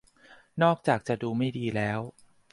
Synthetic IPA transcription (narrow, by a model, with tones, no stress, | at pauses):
nɔː˥˩k̚t͡ɕaː˨˩k̚t͡ɕa˨˩duː˧ma˥˩jdiː˧lɛː˦˥w